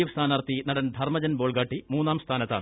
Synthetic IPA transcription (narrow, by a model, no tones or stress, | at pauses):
ɐʋɐst̪ʰaːnaːrt̪ːinɐɽɐnd̪ʱɐrmɐd͡ʑɐnboːɭɡaːʈːimuːnːaːmst̪ʰaːnɐt̪ːaːɳɨ